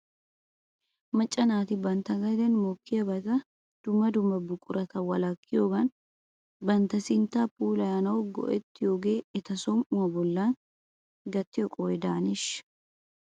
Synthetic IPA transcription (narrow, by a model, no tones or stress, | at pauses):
mɐt͡ʃʼːɐnaːt̪ɪbɐnt̪ɐɡɐd̪ɛnmoːkːɪjɐbɐt̪ɐ | d̪̥ʊmːɐd̪ʊmːɐbʊkʼʊɾɐt̪ɐwɐlɐkːɪjoːɡɐn | bɐnt̪ɐsɪnt̪ːaːpuːlɐjaːnɐwɡɔ̰ʔɛt̪ːɪjoːɡeːɛt̪ɐsɔmʊmɐbɔlːaːn | ɡɐt̪ːɪjɔkʼɔːɛd̪aːnɪʃ